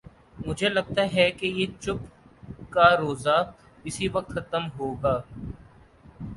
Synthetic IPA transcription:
mʊd͡ʒʱelɐɡ̚t̪aɦɛkejeːt͡ʃʊpkaɾoːza | ɪsiʋɐk̚t̪xɐt̪əmɦoːɡaː

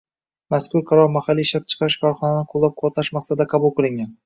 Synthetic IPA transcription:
maskʊɾqʰɑɾɒɾmahalːiʃp̚t͡ʃʰɨ̥qʰɑɾɪʃkʰɒɾχɒnanɪqʰʊlˠːɒp̚qʰɒɾt̪ʰaʃmaqsad̪aqʰɑbʊlˠqɨlˠɪŋʲan

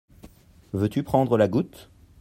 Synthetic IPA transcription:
vøt̪ypχɑ̃d̪ʁəlaɡut̪

